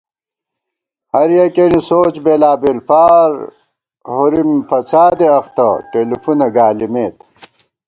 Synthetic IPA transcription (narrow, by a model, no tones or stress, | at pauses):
hɐɾjɐkenisoːt͡ɕbeːlaːbelfaːɾ | huɾimfɐt͡sʰaːd̪eɐxt̪ɐ̰ʈeːlifunɐɡaːlimeːt̪